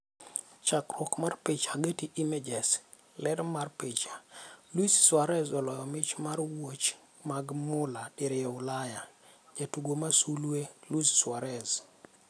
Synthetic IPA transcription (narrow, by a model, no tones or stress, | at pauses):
t͡ʃakɾɔkmarpɪt͡ʃaɡetiʔimɛd͡ʒɛs | lɛɾmarpɪt͡ʃḁlwisswaɾɛzɔlɔjɔmɪt͡ʃmaɾwot͡ʃ | maɡmʊlaɗɪɾjɛʊlaja | d͡ʒatuɡomasulwelusswaɾɛz